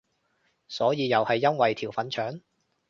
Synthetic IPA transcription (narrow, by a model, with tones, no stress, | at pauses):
sɔː˨˥jiː˨˧jɐ˨whɐ˨jːɐ˥nwɐ˨jt̪ʰiː˨˩wfɐ˨˥nt͡ʃʰœː˨˥ŋ